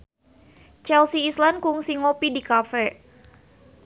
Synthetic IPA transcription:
t͡ʃɛlsiislankuŋsiŋopidikafɛ

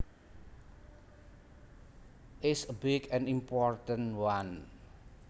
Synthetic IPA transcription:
ʔɪsəbɪɡɛ̃nimpɔrt̪ə̃nwan

